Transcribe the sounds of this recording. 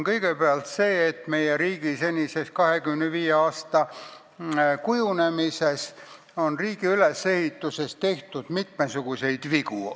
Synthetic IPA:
nkɤjɡ̥epeɑlt̪se̞ːt̪me̞jeɾiːɡ̥ise̞nʲise̞skɑɦe̞kymnːeviːjeɑːst̪ɑ | kujune̞mise̞s | o̞nriːɡ̥iyle̞sːe̞hit̪ːˑuse̞st̪e̞ht̪ud̪̥mit̪mesuɡ̥use̞jd̪̥viɡu

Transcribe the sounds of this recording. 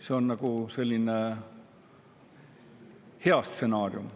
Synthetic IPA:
se̞o̞nnɑɡ̥use̞lʲːine | he̞ɑst̪se̞nɑːrjum

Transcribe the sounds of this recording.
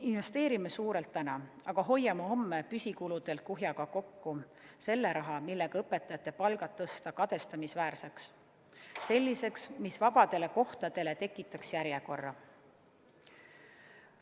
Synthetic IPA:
inve̞st̪eːɾimesuːɾe̞lt̪ːænɑ | ɑɡ̥ɑɦo̞jːɑmɑo̞mːepysʲikulud̪̥e̞lt̪̚kuɦjɑɡ̥ɑko̞kːu | se̞lːe̞ɾɑɦɑmilːe̞ɡ̥ɑɤpːe̞t̪ːˑɑjɑt̪ˑːe̞pɑlɡ̥ɑt̪ːɤst̪ɑkɑd̪̥e̞st̪ɑmisvæːɾseksː | e̞lʲːise̞ksmisvɑb̥ɑd̪̥e̞le̞ko̞ht̪ɑd̪̥e̞le̞t̪e̞kːˑit̪ːˑɑksjæɾje̞ko̞rːɑ

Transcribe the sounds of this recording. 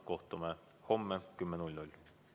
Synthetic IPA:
koht̪ːumɛ | homːɛkymːɛnulʲnulʲ

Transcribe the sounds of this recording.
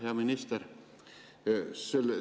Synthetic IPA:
eɑminist̪er | sel

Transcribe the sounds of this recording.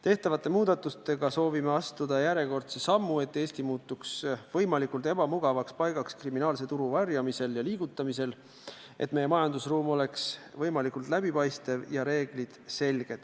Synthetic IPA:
t̪e̞ht̪ɑvɑt̪ːˑe̞muːd̪ɑt̪ːˑust̪e̞ɡ̥ɑso̞ːvimeɑst̪ud̪̥ɑjæɾe̞ko̞rt̪sesɑmːue̞t̪ːˑe̞ːst̪imuːt̪ːˑuksvɤjmɑlikult̪e̞b̥ɑmuɡ̥ɑvɑkspɑjɡ̥ɑkskriminɑːlse̞t̪uɾuvɑrjɑmise̞ljɑliːɡ̥ut̪ːˑɑmise̞l | ʔe̞̰t̪̚ːme̞jːemɑjɑnd̪usruːmo̞le̞ksvɤjmɑlikːˑult̪ˑlæbipɑjst̪evjɑɾe̞ːɡ̥lid̪̥se̞lɡ̥e̞d̪̥

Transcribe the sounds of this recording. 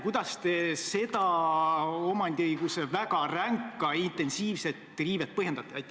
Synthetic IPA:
kujd̪̥ɑst̪e̞se̞d̪̥ɑ | o̞mɑnd̪iɯjɡ̥usevæɡ̥ɑræŋkːˑɑint̪e̞nsiːvse̞t̪ːˑriːvet̪̚pɤhjend̪̥ɑt̪ːˑeɑjt̪ːˑ

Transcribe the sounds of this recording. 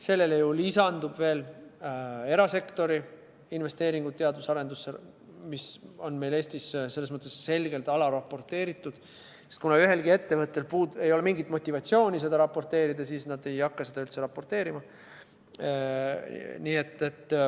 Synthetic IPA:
se̞lːe̞lejulisɑnd̪̥ub̥ve̞ːl | e̞ɾɑse̞kt̪o̞ɾi | inve̞st̪e̞ːɾiŋɡut̪t̪ːeɑd̪usɑɾe̞nd̪usːe | miso̞nme̞jle̞ːsʲt̪isse̞lːesmɤt̪ːˑesːe̞lɡ̥e̞lt̪ɑlɑɾɑpːo̞rt̪ːe̞ːɾit̪ːˑud̪̥ | et̪kunɑyɦe̞lɡ̥ie̞t̪ːe̞vɤt̪ːˑe̞lpuːd̪e̞jo̞le̞miŋɡit̪ˑmo̞t̪ʲːˑivɑt̪sio̞ːnʲise̞d̪ɑɾɑpːo̞rt̪e̞ːɾid̪̥ɑsiːsnɑd̪̥e̞jɑkːɑsed̪ɑylt̪se̞ɾɑpːˑort̪e̞ːɾimɑ | niːe̞t̪ːet̪ː

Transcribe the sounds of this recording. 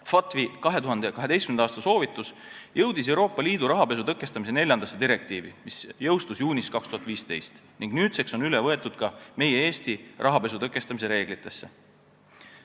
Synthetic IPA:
fɑt̪ˑvikɑɦe̞t̪uɦɑnd̪ekɑɦe̥e̞jstkymnɑːst̪ɑso̞ːvit̪ːˑus | jɤwd̪̥is̬e̞wɾo̞ːpːˑɑliːd̪̥uɾɑɦɑpe̞sut̪ɤkːˑe̞st̪ɑmise̞ne̞lʲjɑnd̪̥ɑsːe̞d̪iɾe̞kt̪iːvimisjɤwst̪usjuːnʲiskɑkst̪uhɑt̪viːst̪e̞̰jst̪niŋɡnyːt̪sekso̞nylevɤe̞t̪ːˑud̪̥kɑme̞jeeːst̪irʔɑɦɑpe̞sut̪ɤkːˑe̞st̪ɑmis̬e̞ɾe̞ːɡ̥lit̪ːˑe̞sːe

